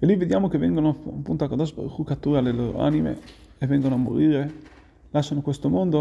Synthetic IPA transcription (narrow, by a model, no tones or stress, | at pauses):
elːived̪jaːmokevːɛŋɡonompunt̪oakːad̪ɔt͡ʃpḛrxukat̪ːuːɾealːelo̰ːɾo̰a̰nimḛ | evːɛŋɡonoamːo̰ɾiːɾe | laʃanokwest̪omond̪o